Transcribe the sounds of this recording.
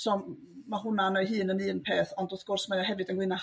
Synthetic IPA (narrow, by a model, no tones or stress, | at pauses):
sɔ | maɦʊnanɔjɦɨːnənɨːnpʰeːθɔndɔθɡ̥ʊrsmajaɦɛvɨdənɡwɪna